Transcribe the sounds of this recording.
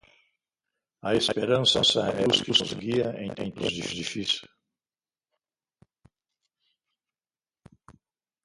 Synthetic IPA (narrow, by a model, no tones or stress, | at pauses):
ɐespeɾɐ̃nsɐsɐ̰ɛuskuszɡiɐḛ̃j̃t̪ḛ̃j̃t̪ṵzd̪ifd̪ifisu